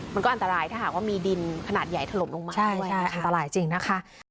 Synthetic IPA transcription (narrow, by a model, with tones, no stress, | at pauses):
ma˧nkɔː˥˩ʔnt̪a˧ɾaː˧jt̪ʰaː˥˩ɦaː˨˩k̚waː˥˩miː˧di˧nkʰa˧naː˨˩t̪̚ja˨˩jt̪ʰa˧lo˨˩˦mlo˧ŋmaː˧t͡ɕʰa˥˩jt͡ɕʰa˦˧˥jʔa˧nt̪a˧ɾaː˧jt͡ɕi˧ŋna˦˥kʰa˦˥ʔ